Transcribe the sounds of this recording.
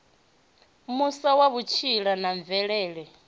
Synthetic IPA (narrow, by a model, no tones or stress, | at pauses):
musawaβut͡ʃʰiɺanaɱb̪vɛɺɛːɺɛ